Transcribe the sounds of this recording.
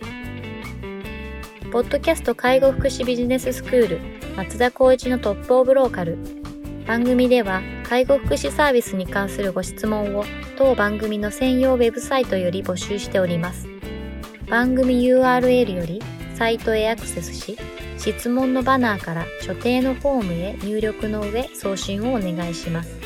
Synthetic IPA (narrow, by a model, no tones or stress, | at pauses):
po̞d̪ːo̞kʲasɨ̥t̪o̞kaiɡo̞ɸɯ̥kɯ̟ɕibʲiʑine̞sɨsɨ̥kɯ̟ːɾɯ̟mat͡sɨd̪ako̞ːʑino̞t̪o̞pːo̞ːbɯ̟ɾo̞ːkaɾɯ̟ | b̥ãŋɡɯ̟mʲid̪e̞βa | kʰaiɡo̞ɸɯ̥kɯ̟ɕisaːbʲisɨɲ̟ikãɰ̃sɨɾɯ̟ɡo̞ɕi̥t͡sɨmõ̞ɰ̃o̞ | t̪o̞ːbãŋɡɯ̟mʲino̞sẽ̞ɰ̃jo̞ːβe̞bɯ̟sait̪o̞jo̞ɾʲibo̞ɕɨːɕi̥t̪e̞o̞ɾʲimasɨ̥ | b̥ãŋɡɯ̟mʲijɯ̟ːaːɾɯ̟e̞ɾɯ̟jo̞ɾʲi | sait̪o̞e̞akɯ̟̥se̞sɨ̥ɕi | ɕit͡sɨmõ̞nːo̞banaːkaɾaɕo̞t̪e̞ːno̞ɸo̞ːmɯ̟e̞ɲ̟ɨːɾʲo̞kɯ̟no̞ɯ̟βe̞so̞ːɕĩɰ̃o̞ːne̞ɡaiɕimasɨ̥